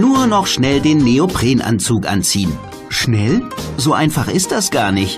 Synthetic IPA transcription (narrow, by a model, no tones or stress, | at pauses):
nuːɐnɔχʃnɛldeːnːeopl̥eːnʔa̰nt͡suːkʔa̰nt͡siːən | ʃnɛlzoːʔaɪnfaχʔɪst̚d̥asɡ̥aːɐnɪçt